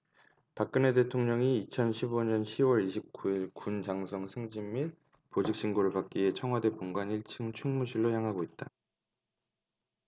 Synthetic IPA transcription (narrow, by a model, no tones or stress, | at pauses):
pak̚k͈ɯne̞de̞tʰoŋɲʌŋiːt͡ɕʰʌnɕʰiboɲʌnɕʰiwʌɾiɕʰip̚k͈uiɭkund͡ʑaŋsʰʌŋsʰeŋd͡ʑimːi | pod͡ʑik̚ɕ͈ʰiŋɡoɾɯɭpak̚k͈ie̞t͡ɕʰʌŋɦwade̞poŋɡwaniɭt͡ɕʰɯŋt͡ɕʰuŋmuɕʰiɭːojaŋɦaɡoit̚t͈a